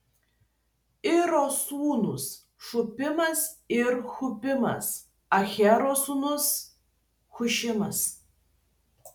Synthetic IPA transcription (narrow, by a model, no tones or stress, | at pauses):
ɪɾosuːnʊs | ʃʊpʲɪmɐsɪɾxʊpʲɪmɐ̰s | ɐxʲɛɾosunʊs | xʊʃʲɪmɐs